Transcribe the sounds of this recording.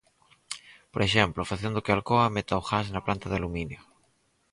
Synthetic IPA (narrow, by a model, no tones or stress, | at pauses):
poɾeʃemplofaθjond̪ukealkoamet̪aoxasnaplant̪aðealuminjo